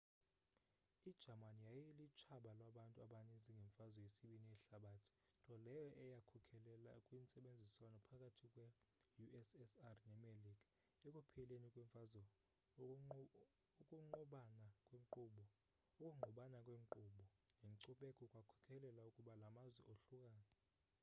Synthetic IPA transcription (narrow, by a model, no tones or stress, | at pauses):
id̥ʒ̥ʱamanijajilit͡ʃʰaɓalwaɓantʼuaɓaniziŋɡʱɛɱfazɔjesiɓiniɛɬaɓatʰi̥ | tʼɔlɛjɔʔɛjakʰukʰɛlɛlakʼwint͡sʼɛɓend͡zʱiswanɔpʰakʼatʰikʼwɛ | juɛsɛsarnɛmelikʼḁ | ɛkʼupʰɛlenikʼwɛɱfazɔ | ukʼuŋ͡ǃɔɓanakʼweŋǃuɓɔ | ukʼuŋ͡ǃʱuɓanakʼweːŋǃuːɓɔ | nʱeŋǀuɓɛkʼɔkʼwakʰu̥kʰɛlɛlaukʼuɓalamazwɛ̰ʔoɬukʼaːnɛ